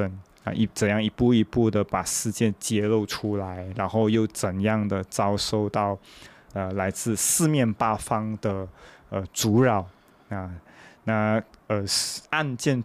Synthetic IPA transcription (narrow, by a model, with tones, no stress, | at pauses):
ə˧˩n̰˧ | ʔi˥t͡sə˨˩njɑ˥˩ŋi˧˥pu˥˩i˧˥pu˥˩d̪ə˩pa˨˩ʂɻ̩˥˧t͡ɕjɛ˥˧nt͡ɕjɛ˥lo˥˧ʊʈ͡ʂʰu˥la˧˦ɪɻa˧˥nxo˥˧ʊjo˥˩ʊt͡sə˨˩njɑ˥˩ŋd̪ə˩t͡sɑ˥ʊʂo˥˧ʊt̪ɑ˥˩ʊ | ə˧la˧˥ɪt͡sɹ̩˥˧sɹ̩˥˧mjɛ˥˩npa˥fɑ˥ŋd̪ə˨ə˧t͡su˧˥ɻɑ˨˩˦ʊ | na˥˧na˥˩ə˧˩a˥˧nt͡ɕjɛ˥˧n